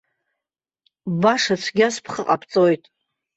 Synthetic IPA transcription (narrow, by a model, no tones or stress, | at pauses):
baʂat͡sʷʰɡʲaspʰχəqʼapʰt͡sʼojtʼ